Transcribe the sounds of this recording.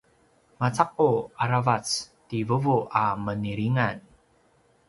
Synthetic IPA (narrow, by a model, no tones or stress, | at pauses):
mat͡saq̚uaɾavat͡stivəvuʔaməniɾiŋan